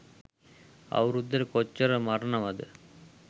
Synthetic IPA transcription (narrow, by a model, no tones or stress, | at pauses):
ɐ̰ʋɐɾud̪ɐɾkɔt͡ʃːɐɾɐmɐɾɐnɐmɐðɯ̰